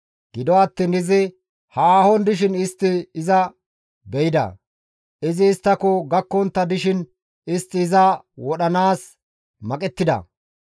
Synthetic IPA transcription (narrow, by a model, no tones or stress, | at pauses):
ɡ̥ɪd̪ɔɐt̪ːiːnɪzɪ | haːhɔnd̪ɪʃ̬ɪnɪst̪ːɪːzɐ | bɛjɪd̪ɐ̰ | ɪzɪːst̪ːɐkɔɡɐkːɔnt̪ːɐd̪ɪʃɪn | ɪst̪ːɪːzɐ | wɔɗɐnaːs | mɐkʼɛt̪ːɪd̪ɐ̰